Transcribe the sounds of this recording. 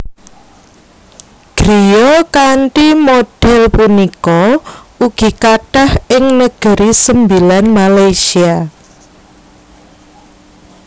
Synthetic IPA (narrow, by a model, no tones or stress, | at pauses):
ɡ̥ɾijɔkaɳʈimoɖ̥ɛlpunikɔuɡ̥i̤kaɖ̥ahɪŋnəɡ̥ə̤ɾisəmbilanmalajsia